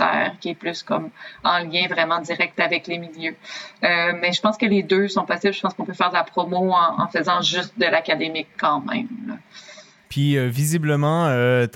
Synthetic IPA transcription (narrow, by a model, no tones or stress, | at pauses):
t̪ɛ̰ːʁkʲiɛplyskɔmɑ̃ljɛ̃vʁɛmɑ̃d̪iʁɛk̚t̪avɛklemiljøømɛʒəpɑ̃skəled̪øsɔ̃pɔsɪblʒə̥pɑ̃skɔ̃pøfɛːʁd̪əlapχɔmoɑ̃ɑ̰̃fəzɑ̃ʒyst̪̚d̪əlakad̪emɪkʰːɑ̃mɛ̰̃mla̰ | pɥiøvizibləmɑ̃ø